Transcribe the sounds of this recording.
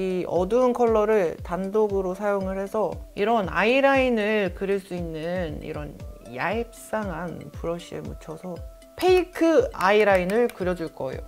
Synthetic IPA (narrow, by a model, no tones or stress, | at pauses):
iʌ̰dunkʰʌɭːʌɾɯɭtandoɡɯɾosʰajoŋɯɭhe̞sʰʌiɾʌna̰iɾainɯɭkɯɾiɭs͈uinːɯnḭɾʌnjaip̚s͈aŋanpuɾʌɕ͈iḛmut͡ɕʰʌsʰʌ | pʰeikʰɯaiɾainɯɭkɯɾjʌd͡ʑuɭk͈ʌḛjo̰